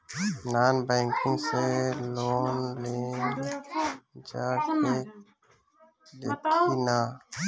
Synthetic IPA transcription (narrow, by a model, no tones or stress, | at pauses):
naːnbəːŋkɪ̃ŋɡseːloːnleːn | d͡ʒaːkeː | ɗeːkʰiːnaː